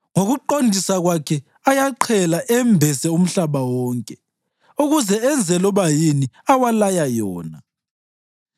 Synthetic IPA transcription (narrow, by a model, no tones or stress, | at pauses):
ŋoɣuǃondʱisaɣwakʰɛ | ajaǃʰɛlaʔɛmbʱɛsɛum̩ɬaβawɔːŋkʼɛ | uɣuzɛɛnd͡zʱɛlɔβajiniawalajajɔːna